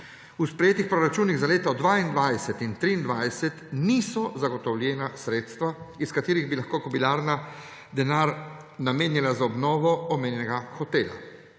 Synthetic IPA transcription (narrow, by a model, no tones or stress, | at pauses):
uspɾɛjeːt̪ixpɾɔɾat͡ʃuːniɣzaleːt̪ɔd̪ʋaind̪ʋajsɛt̪int̪ɾiːnd̪ʋajsɛt̪nisɔzaɡɔt̪ɔwljɛːnasɾeːt̪st̪ʋaiskat̪iːɾiɣbilaxkoːkɔpilaːɾna | d̪ɛnaːɾ | nameːnjilazaɔbnɔːʋɔɔmeːnjɛnɛɡaxɔt̪eːla̰